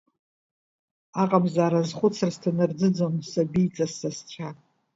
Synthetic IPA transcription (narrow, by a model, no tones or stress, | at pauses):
aqʼabzaːɾazχʷʊt͡sʰrstʰanɨrd͡zɨd͡zonsabijt͡sʼasast͡ʃʷʰa